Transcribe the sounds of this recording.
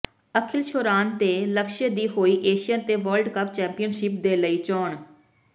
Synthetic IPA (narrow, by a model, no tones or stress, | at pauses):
əkʰɪlʃʰoːɾaːnt̪eːləkʃəd̪iːɦoːiːʔeːʃɪjãːt̪eːʋəːlɖkəp̚t͡ʃɛ̃ːmpijənʃɪp̚d̪eːləiːt͡ʃɔːɳ